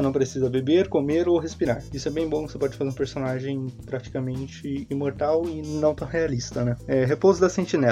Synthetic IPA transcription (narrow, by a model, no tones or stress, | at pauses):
senɐ̃w̃pɾesizɐbebeɾkomeɾoɦespiɾaɾisʊɛbẽj̃bõkɪ̥sepɔd͡ʒɪfazeɾũpeɾsonaʒẽj̃pɾat͡ʃi̥kamẽnt͡ʃɪimoɾt̪awɪnɐ̃w̃t̪ɐ̃w̃ɦealist̪ɐnɛɛɛɦepozʊd̪ɐsẽnt͡ʃinɛ